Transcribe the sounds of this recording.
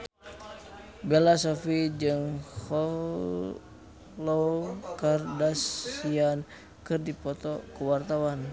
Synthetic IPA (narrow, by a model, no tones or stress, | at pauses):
bɛlasɔfid͡ʒɨŋhɔ | lokardasian | kɨrdipɔt̪ɔkəwart̪awan